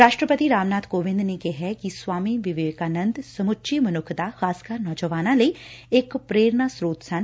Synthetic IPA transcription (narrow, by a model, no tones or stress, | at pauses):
ɾaːʃʈɾəpət̪iɾaːmnaːt̪koːʋɪ̃nd̪neːkeɦɛkiswaːmiʋɪʋeːkaːnə̃nd̪səmʊtːʃimənʊkʰd̪axaːskəɾnɔːd͡ʒəʋaːnãːləiːɪkpɾeːɾnaːsɾoːt̪sən